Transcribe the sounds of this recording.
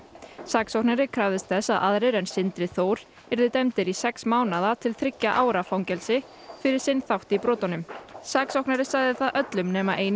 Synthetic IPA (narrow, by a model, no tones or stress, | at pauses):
saːksawhknaɾɪkʰɾavðɪst̪θɛsːaðaðɾeɪɾɛnsɪnt̪ɾɪθoːwɾ̥ | ɛɾðɪt̪ɛmt̪ɪɾisɛksmaːwnaðat̪ʰɪlθɾɪcːaʔaːwɾafawŋcɛlsɪ | fɪɾɪɾ̥sɪnːθawht̪ipɾɔːt̪anʏmsaːksawknaɾɪsaɣðɪθaðʔœt̪lʏmnɛːmaʔeːjn